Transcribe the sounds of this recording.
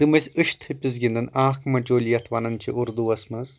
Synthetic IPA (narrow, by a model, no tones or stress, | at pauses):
t̪ɨmɐsʲɨʃt̪ʰɨpʲizɡʲind̪ɨnaːkmɐt͡ʃoːlʲijɐt̪ʰʋɐnɐnt͡ʃʰiʔuɾd̪uɐsmɨz